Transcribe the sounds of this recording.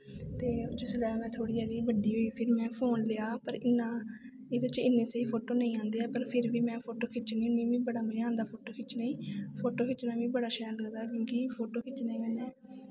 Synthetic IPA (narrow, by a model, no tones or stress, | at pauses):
t̪eːʊt͡ʃəsəlaːmɛ̃ːt̪ʰoːɽiːɦəːɡiːbəɖiːɦoːiːpʰɪɾmɛ̃ːpʰoːnleːaːpəɾɪnːãː | ɪd̪ət͡ʃɪnːẽːseiːpʰoːʈoːnə̃ĩːãːnd̪eːɛːpəɾpʰɪɾʋiːmɛ̃ːpʰoːʈoːkʰɪt͡ʃniːnĩːʋĩːbəɽaːməãːnd̪aːpʰoːʈoːkʰɪt͡ʃnəĩːpʰoːʈoːkʰɪt͡ʃnaːʋĩːbəɽaːʃɛːləkd̪aːk̬jõːkɪpʰoːʈoːkʰɪt͡ʃnəĩːãːnɛː